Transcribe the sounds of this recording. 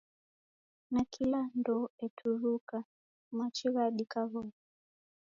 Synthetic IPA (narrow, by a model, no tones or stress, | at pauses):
nakʰilandɔɛtʰuɾuka | mat͡ʃiɣaɗikaɣɔɔ